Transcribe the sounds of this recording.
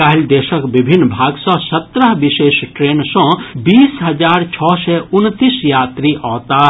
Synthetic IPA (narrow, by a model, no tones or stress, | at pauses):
kaɦild̪eːʃəkbibʱinːbʱaːɡsɔ̃sət̪ɾəɦbiʃeːsʈɾeːnsɔ̃biːsɦɐd͡ʒaːɾt͡ʃʰɔːsɛʊnt̪isjaːt̪ɾiʔɔːt̪a